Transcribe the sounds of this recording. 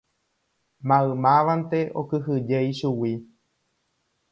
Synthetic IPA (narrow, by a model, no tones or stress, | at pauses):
mãɨmãʋant̪e̞ʔokɨɦɨd͡ʒejʃuwi